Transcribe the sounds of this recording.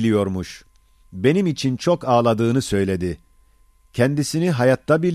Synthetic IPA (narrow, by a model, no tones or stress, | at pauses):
lʲijo̞ɾmuʃ | be̞nimit͡ʃʰint͡ʃʰokaːlˠad̪ɯːnɯsø̞jlʲe̞d̪ɪ | cʰɛnd̪isiniɦajat̪ʰːabilʲ